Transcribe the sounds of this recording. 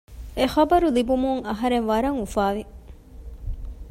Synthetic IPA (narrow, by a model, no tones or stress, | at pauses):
exɐbɐɾulibumuŋɐɦɐɾenʋɐɾɐŋufaːʋi